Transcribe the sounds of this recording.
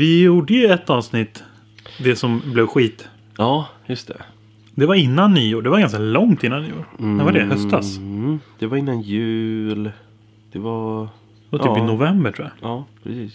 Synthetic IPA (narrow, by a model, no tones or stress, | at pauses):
vɪjuːɖəjɛt̪ːɑːvsnɪt̪ː | d̪ɛsɔmblɛvɧiːt̪ | ɑːjɵst̪ʰɛ̰ | d̪ɛvaɾɪnːanːɪjuːɖɛvaɾɡanskalɔŋt̪ɪnːannɪjṵːɛvaɖɛhœst̪d̪asd̪̥ɛvaɾɪnːanjʉ̟ːl | d̪̥ɛvaɾ | ɛvat̪ʰyːpɪnʊvɛmbəʈʰuːa̰ɑːpʰɾɛsiːs